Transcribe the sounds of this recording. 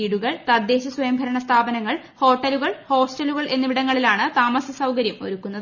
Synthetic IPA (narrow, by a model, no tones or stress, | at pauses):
iːɽuɣɐɭt̪ɐd̪ːeːɕɐswʋɐjɐmbʱɐɾɐɳɐst̪ʰaːbɐnɐŋːɐɭ | ho̞ːʈːɐluɣɐɭho̞ːsʈɐluɣɐɭʔe̞nːɐʋiɽɐŋːɐɭilaːɳɨt̪aːmɐsɐsɐwkɐɾjɐmo̞̰ɾukːunːɐð